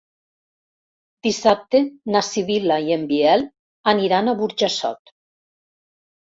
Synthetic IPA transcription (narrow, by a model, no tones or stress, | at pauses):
d̪̥isap̚t̪enasiβilaiembiɛl | aniɾanaβuɾʒasɔ̰t̪